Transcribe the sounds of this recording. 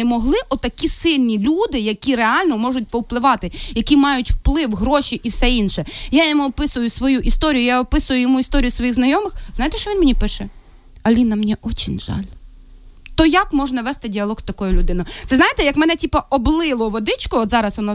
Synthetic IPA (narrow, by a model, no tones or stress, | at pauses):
ɛmɔɦlˠɪʔɔt̪ɐkʲisɪlʲnʲilʲud̪ɪjɐkʲiɾeɑlʲnɔmɔʒʊt̚ʲpɔwplˠɪʋɑt̪ɪjɐkʲimɑjʊtʲwplˠɪwɦɾɔʃʲiʔiwsɛinʃɛjajɔmuɔpɪsʊjʊsʋɔjuʔist̪ɔɾʲijʊjaɔpɪsʊjʊjɔmuist̪ɔɾʲijʊsʋɔjiɣznɐjɔmɪxznɑjt̪ɛʃt͡ʃɔʋʲinmenʲipɪʃɛ | ɐlʲinɐmnʲiʔɔt͡ʃinʲʒɑ̰lʲ | t̪ɔjakmɔʒnɐʋɛst̪ɪdʲiɐlˠɔɣst̪ɐkɔjʊlʲʊd̪ɪnɔjʊt̪ɛznɑjet̪ɛjɐkmɛnɛtʲipɐɔblˠɪlˠɔʋɔd̪ɪt͡ʃkʊɔt̪zɑɾɐsʋɔnɔ